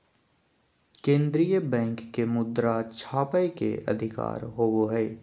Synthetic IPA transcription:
kẽːnd̪ɾijəbɛ̃ːŋkːemʊd̪ɾat͡ʃʰaːpəekḛʔə̰d̪ʱɪka̰ːɾɦoːoɦɛː

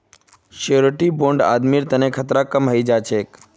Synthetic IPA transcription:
ʃeɾʈibõɳɖa̰ːd̪miɾt̪ənekʰət̪ɾakəmɦəid͡ʒat͡ʃʰeːk

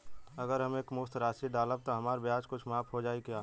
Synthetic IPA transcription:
əɡəɾɦɐmeːkmʊst̪ɾaːsiɖaːləb̚t̪oɦɐmaːɾbjaːd͡ʒkʊt͡ʃʰmaːpʰɦod͡ʒaːikiaː

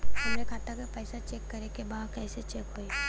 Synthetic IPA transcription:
ʊmɾekʰaːt̪akapɛːsat͡ʃeːkːɐɾekebaːd̪kɛːset͡ʃeːkɦoːe

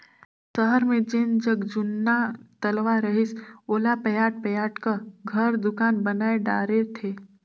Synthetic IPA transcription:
səɦəɾmẽd͡ʒend͡ʒəɡd͡ʒʊnːat̪ɐlʋaɾəɦɪsoːlapəjaːʈ̚pɐjaːʈkəɡʱəɾd̪ʊkaːnbənaːeɖa̰ːɾet̪ʰeː

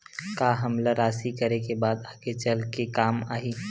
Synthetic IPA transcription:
kaːɦɐmlaɾaːsikɐɾekebaːd̪aːɡet͡ʃəlkekaːmaːɦiː

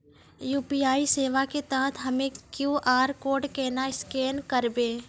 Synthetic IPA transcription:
juːpiaːiseːʋaket̪ãːt̪ʰɦəmẽkjũːʔaːɾkoːɾɖkɛːnaɪskeːnkəɾbeː

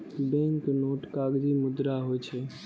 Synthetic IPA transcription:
bɛ̃ŋknoːʈkaɡd͡ʒimʊd̪ɾaɦojt͡ʃʰɛ

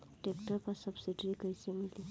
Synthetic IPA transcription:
ʈekʈəɾpasəbsiɖɾikəjsemili

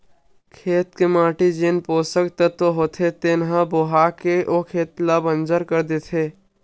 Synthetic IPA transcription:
kʰeːt̪kemaːʈid͡ʒenpoːsəkt̪ət̪ːoɦoːt̪ʰet̪enɦãboɦaːkeʔokʰeːt̪labə̃nd͡ʒəɾkəɾd̪et̪ʰeː

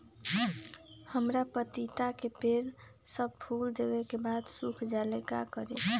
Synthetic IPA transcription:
həmɾapət̪it̪akepeɾ | səb̚pʰuld̪ebɛkebad̪sukʰd͡ʒaleka̰kəɾḛ

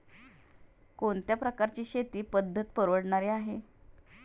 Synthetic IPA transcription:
koɳt̪japɾəkaɾt͡ɕiːɕet̪iːpəd̪ʱːət̪pəɾʋəɽɳaɾiaɦe

